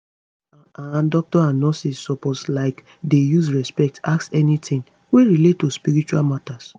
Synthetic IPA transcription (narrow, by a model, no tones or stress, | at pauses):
ãndɔk̚tɔãnnɔsisːɔpotslaɪk | dejus̬ɹɛspɛk̚taksɛnitʰɪ̃ŋ | weɹilettːuspiɾit͡ʃualmatas